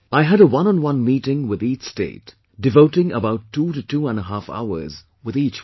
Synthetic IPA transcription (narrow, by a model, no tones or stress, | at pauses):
aɪɦɨɾəwʌ̃nə̃nwʌ̃nmiːɾɪ̃ŋwɪðiːt͡ʃstḛɪt | d̥ɨvoʊʈɪ̃ŋə̰baʊtʰːuɾɨtuə̃nəɦafa̰ʊə̰˞z | wɨðiːt͡ʃ